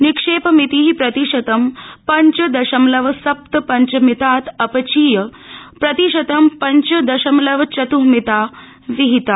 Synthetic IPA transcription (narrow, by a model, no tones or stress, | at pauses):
nikʂeːpɐmit̪iːɦipɾɐt̪iʂɐt̪ɐmpɐɲt͡ʃɐd̪ɐʃɐmlɐʋɐsɐp̚t̪ɐpɐɲt͡ʃɐmit̪aːt̪ɐpɐt͡ʃiːjɐ | pɾɐt̪iʃɐt̪ɐmpɐɲt͡ʃɐd̪ɐʃɐmlɐʋɐt͡ʃɐt̪uɦmit̪aː | siɦit̪a